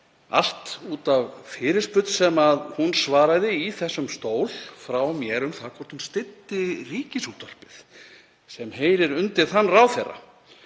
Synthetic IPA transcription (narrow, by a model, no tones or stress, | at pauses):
a̰l̥t̪uːt̪avfɪːɾɪ̥spʏt̪sɛmaðhunsvaːɾaðɪiθɛsːʏmst̪oːwlfɾawmjɛːɾʏmθaðkʰɔɾt̪hunst̪ɪt̪ːɪriːcɪsut̪var̥pɪð | sɛmheːjɾɪɾʏnt̪ɪ̥θanːrawθerːa̰